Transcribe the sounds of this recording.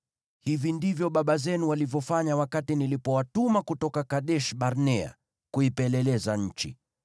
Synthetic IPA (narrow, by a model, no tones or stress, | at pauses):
hivindivjɔɓaɓazɛnuwalivjɔfaɲawakatinilipɔwatumakutɔkakaɗɛʃɓaɾnɛa̰ | kuipɛlɛlɛzaɲ̩t͡ʃi